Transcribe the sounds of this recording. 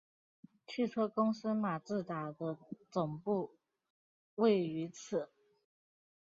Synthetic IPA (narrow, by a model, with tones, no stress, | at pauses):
t͡ɕʰy˥˧t͡sʰɤ˥kʊ˥ŋs̩˥ma˨˩t͡sɹ̩˥˩t̪a˨˩d̪ə˦t͡sʊ˨˩ŋpu˥˧ | we˥˩ɪy˧˥t͡s̩ʰ˨˩˦